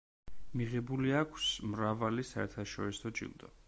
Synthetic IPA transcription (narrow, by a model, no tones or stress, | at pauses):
miʁɛbuliakʷʰsmɾavalisaɛɾt̪ʰaʃɔɾisɔd͡ʒḭlˠd̪ɔ̰